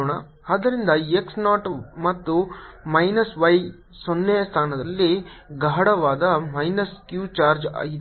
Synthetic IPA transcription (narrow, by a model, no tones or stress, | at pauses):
ɳɐ | aːd̪ɐɾind̪ɐeksnaːʈmɐt̪ːumɐjnɐsʋɐj | sonːɛjɐst̪ʰaːnɐd̪ɐlːiɡaːɽɐʋaːd̪ɐmɐjnɐskjuːt͡ʃaːɾd͡ʒa̰ːɡit̪